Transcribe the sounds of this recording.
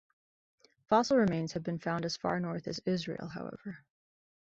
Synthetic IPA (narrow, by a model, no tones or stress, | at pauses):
fɑsl̩ˠɹɨmẽɪ̃nz̥hɨvbɨ̃nfãʊ̃ndɨz̥fɑ̰ɹnɔɹθɨ̰zɪzɹḭlˠɦaʊɛ̰v̥ə˞